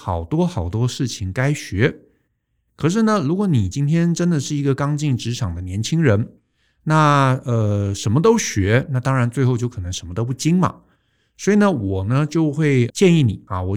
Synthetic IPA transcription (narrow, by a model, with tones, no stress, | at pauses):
xɑ˨˩ʊt̪wɔ˥xɑ˨˩ʊt̪wɔ˥ʂɻ̩˥˩t͡ɕʰi˨˩ŋka˥ɪɕɥɛ˧˥ | kʰɤ˨˩ʂ̬ɻ̩˥˩nə˩ɻu˧˥kwɔ˧˥ni˨˩t͡ɕi˥nt̪ʰjɛ˥nʈ͡ʂə˥nd̪ə˨ʂɻ̩˥˩i˧˥ɡə˧kɑ˥ŋt͡ɕi˥˩ŋʈ͡ʂɻ̩˧˥ʈ͡ʂʰɑ˨˩ŋd̪ə˦njɛ˧˥nt͡ɕʰi˥ŋɻə˧˥n | na˥˩ə˧˩ʂə˧˥nmə˧t̪o˥ʊɕɥɛ˧˥na˥˩t̪ɑ˥ŋɻa˧˥nt͡swe˥˧ɪxo˥˧ʊt͡ɕjo˥˩ʊkʰɤ˨˩nɤ˧˥ŋʂə˧˥nmə˧t̪o˥ʊp̬u˥˩t͡ɕi˥ŋmɐ̰˨˩ | swɔ˧˥i˨˩nə˦wɔ˨˩nə˦t͡ɕjo˥˧ʊxwe˥˩ɪt͡ɕjɛ˥˧ni˥˩ni˨˩ɐ̰˧wɔ˨˩